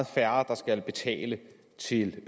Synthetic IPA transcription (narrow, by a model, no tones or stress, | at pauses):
ð̩ˠfæɐd̥ɑ̈sɡ̥ælb̥e̝t͡sʰɛ̰ːlə | t͡sʰe̝l